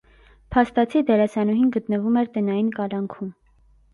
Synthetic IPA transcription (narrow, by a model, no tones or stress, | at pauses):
pʰɑst̪ɑt͡sʰid̪ɛɾɛsɑnuɦinɡət̪nəvumɛɾt̪ɛnɑjinkɑlɑŋkʰum